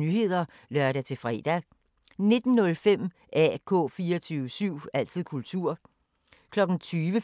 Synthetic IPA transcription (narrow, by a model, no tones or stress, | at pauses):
nyːɦe̝ð̰ˠɐ | lɶɐɾæt͡sʰe̝fʁɛ̰d̥æ | ne̝d̥n̩ːɔ̽lfem̰ | ʔæ̰kʰɔ̰̽ːfiːɐɒt͡sʰyːʊəsyʊ̰æl̰t͡sʰið̞̰ˠkʰult͡sʰuɐ̰ | kʰlɒ̽ɡ̥n̩t͡sʰyːʋə